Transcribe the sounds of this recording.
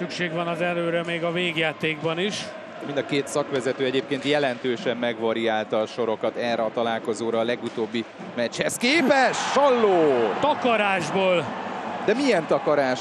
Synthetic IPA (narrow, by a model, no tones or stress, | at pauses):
sykʃeːɡʋɒnɒzɛløːɾɛmeːɡɒveːɡjaːt̪eːɡbɒniʃ | mind̪ɒkeːt̪sɒkʋɛzɛt̪øːɛɟeːp̚keːnt̪jɛlɛnt̪øːʃɛmːɛɡʋɒɾiaːlt̪ɒːʃo̞ɾo̞kɒt̪ɛːrɛɒt̪ɒlaːlko̞zoːɾɒːlɛɡut̪oːbːi | mɛt͡ʃhɛskeːpɛʃɒlːoːt̪ɒkɒɾaːʒboːld̪ɛmiɛnt̪ɒkɒɾaːʃ